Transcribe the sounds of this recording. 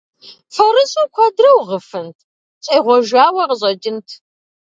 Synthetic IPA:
fɐrɨsʼukʷʰɑːdrɐwʁəfɨntʰ | ɕʼejʁʷɔʒaːwɐʁəɕʼɐd͡ʒʼɪntʰ

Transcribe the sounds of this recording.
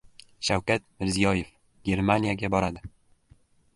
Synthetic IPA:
ʃawkʲat̪̚mɪɾzijɒjef | ɡ̥ʲe̞ɾmanʲijaɡʲabɒɾad̪ɪ

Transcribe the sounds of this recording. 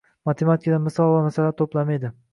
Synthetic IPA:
mat̪ʰemat̪ʰɪkʰʲad̪anmɪsɒlˠvamasalat̪ʰoplˠamed̪ɪ

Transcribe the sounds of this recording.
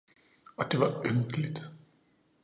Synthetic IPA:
ɒ̽d̪̥eʋɑøŋɡ̥lid̪̥

